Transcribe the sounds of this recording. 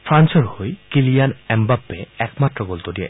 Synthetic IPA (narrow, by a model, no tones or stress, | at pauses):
pʰɾansɔɾhojkilijanɛmbabːeɛkmat̪ːɾɔɡolt̪odia̰